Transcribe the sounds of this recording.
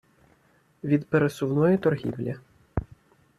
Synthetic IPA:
ʋʲid̪peɾesʊwnɔjɛt̪ɔrɦʲḭwlʲɐ

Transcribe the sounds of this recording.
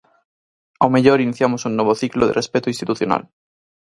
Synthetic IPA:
awmeʎoɾiniθjamosuŋnɔβoθikloðḛrespet̪oĩnst̪it̪uθjona̰l

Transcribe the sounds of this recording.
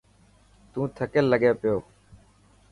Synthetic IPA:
t̪ũːt̪ʰəkelːəɡeːpɪjoː

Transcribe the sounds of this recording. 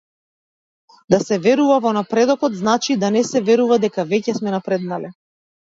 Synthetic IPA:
d̪asɛvɛɾuvavɔnapɾɛd̪ɔkɔt̪znat͡ʃid̪anɛsɛvɛɾuvad̪ɛkavɛcɛsmɛnapɾɛd̪nalɛ

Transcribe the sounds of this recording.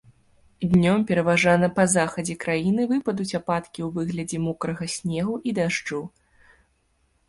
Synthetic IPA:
d̪ʲnʲɔmpʲɛɾɐvaʐanɐpɐzaxɐd͡zʲɛkɾajinɨvɨpɐd̪ut͡sʲapat̪kʲiwvɨɣlʲɐd͡zʲɛmukɾɐɣɐsʲnʲɛɣuʔid̪aʐd͡ʐu

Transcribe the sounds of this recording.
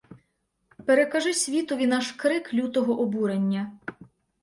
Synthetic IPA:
peɾekɐʒɪsʲʋʲit̪ɔʋʲinɑʃkɾɪklʲut̪ɔɦɔʔɔbuɾenʲːɐ

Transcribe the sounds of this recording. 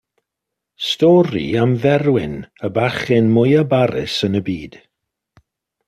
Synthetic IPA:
stɔːɾḭamvɛɾwɪnəbaxɪnmʊjəbaɾɪ̰sənəbiːd̥

